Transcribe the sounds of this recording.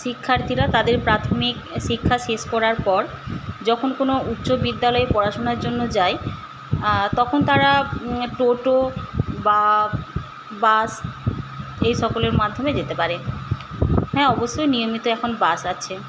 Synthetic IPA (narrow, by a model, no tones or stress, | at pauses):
ʃikʰːaɾt̪ʰiɾat̪ad̪eɾpɾat̪ʰomikʃikʰːaʃeʃkɔɾaɾpɔɾ | d͡ʑɔkʰonkonoutːɕobid̪ːalɔepɔɾaʃonaɾd͡ʑonːod͡ʑae | t̪ɔkʰont̪aɾaʈoʈoba | bas | ejʃɔkoleɾmad̪ʱːomed͡ʑet̪epaɾe | ɦɛ̃ɔboʃːojniomit̪oɛkʰonbasaːɕʰe